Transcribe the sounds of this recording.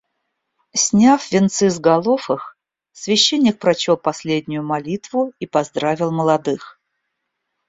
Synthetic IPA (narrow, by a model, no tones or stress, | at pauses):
sʲnʲafvʲɪnt̪sɨzɡɐlˠofəx | svʲɪɕːenʲːɪk̚pɾɐt͡ɕolˠpɐsʲlʲed̪ʲnʲʊjʊmɐlʲit̪vʊipɐzd̪ɾavʲɪlˠməlˠɐd̪ɨx